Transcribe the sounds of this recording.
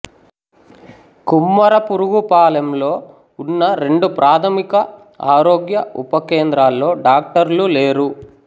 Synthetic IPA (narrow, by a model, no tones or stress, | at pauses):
kumːɐɾɐpuɾuɡupaːlɐmloː | unːɐɾe̞ɳɖupɾʔaːt̪ʰɐmikɐ | a̰ːɾoːɡjɐupɐkeːnd̪ɾaːlːo̞ːɖaːk̚ʈɐɾluleːɾu